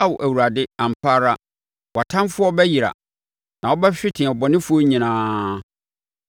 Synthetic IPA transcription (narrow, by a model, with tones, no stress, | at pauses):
a˦wɔ˨ʔæ˨wu˨ɾa˨dɪ˦ã˨m˨pʰa˦ɾa˦ | wa˨tʰã˦m˦fʊ˦ɔ˦bɛ˦ji˨ɾa̰˨ | nã˨wɔ˦bɛ˦ɕᶣɪ˦tʰɪ̃˨ɔ˨bɔ˨nɪ̃˦fʊ˦ɔ˦ɲĩ˨nãː˦